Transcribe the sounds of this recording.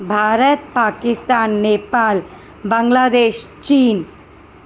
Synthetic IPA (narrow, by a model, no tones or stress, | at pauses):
bʱaːɾət̪̚paːkɪst̪aːnːeːpaːl | bɐ̃ŋɡlaːd̪eːʃt͡ʃiːn